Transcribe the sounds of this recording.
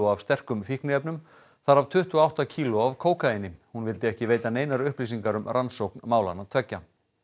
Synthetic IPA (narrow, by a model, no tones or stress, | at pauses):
ʊav̥st̪ɛr̥kʏmfihknɪɛpnʏm | θaɾavt̪ʰʏht̪ʏɔawht̪acʰiːlʊavkʰoːwkaɪnːɪhunvɪlt̪ɪɛhcɪveːjt̪aneːjnaɾʏhpliːsiŋkaɾʏmrʔansowknmaːwlanaðt̪ʰvɛcːa